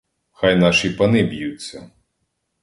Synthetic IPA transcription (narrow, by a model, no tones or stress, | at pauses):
xajnɑʃipɐnɪbʲjut͡sʲːɐ